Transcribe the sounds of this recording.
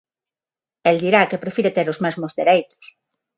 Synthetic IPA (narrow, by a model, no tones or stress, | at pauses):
eld̪iɾakepɾefiɾet̪eɾozmɛzmʊzðeɾejt̪ʊ̥s